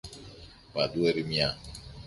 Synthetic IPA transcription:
padueɾimia

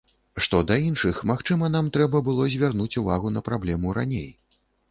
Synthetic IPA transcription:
ʂt̪ɔd̪ɐinʂɨxmaxt͡ʂɨmɐnamt̪ɾɛbɐbɨlˠɔzʲvʲarnut͡sʲuvaɣunɐpɾablʲɛmuɾanʲḛj

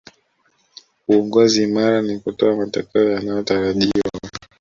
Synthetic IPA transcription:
uɔŋɡɔzimaɾanikutɔamata̰kɛɔjanajɔtaɾaʄiwa̰

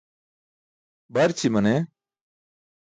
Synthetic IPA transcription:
bɐɾt͡ɕʰimɐne

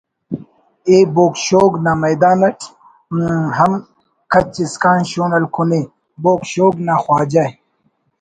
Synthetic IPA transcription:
eːboːkɕoːɡnaːmɐjd̪aːnɐʈʰ | ɦɐm | kʰɐt͡ɕiskaːnɕoːnɐlkʰune | boːkɕoːɡnaxwaːd͡ʑa

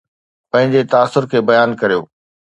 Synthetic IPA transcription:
pɐ̃ɦɪ̃ɲd͡ʑet̪aːsʊɾkʰeːbɐjaːnkɐɾijo̰ː

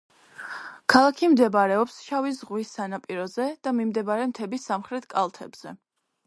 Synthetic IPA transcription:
kʰalˠakʰimd̪ɛbaɾɛɔpsʃavizʁwisːanapʼiɾɔzɛd̪̥amimd̪ɛbaɾɛmt̪ʰɛbisːamχɾɛt̪ʰkʼalˠt̪ʰɛbz̥ɛ

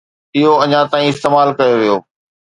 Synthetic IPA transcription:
ɪɦoɐ̃ɲãt̪aːĩɪst̪eːmaːlkɐjoʋijo̰ː

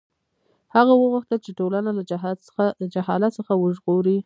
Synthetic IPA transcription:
haɣawəɣʊxt̪əlt͡ʃeʈolanala | d͡ʒahɑlat̪səxawəʒɣoɾi

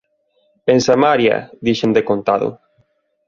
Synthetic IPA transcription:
ensamaɾja̰ðiʃend̪ekont̪aðo̰

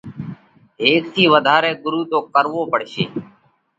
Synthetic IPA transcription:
ɦeːk̚t̪ʰiːʋəd̪ʱaːɾeːɡʊɾuːt̪oːkəɾʋoːpəɽʃeː

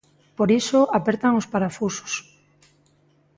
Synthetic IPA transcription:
poɾisoapeɾt̪aŋospaɾafuso̥s

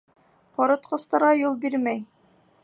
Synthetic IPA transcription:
qɒɾɤ̆t̪qɤ̆st̪ɑɾʁɑjulˠbiɾmæj

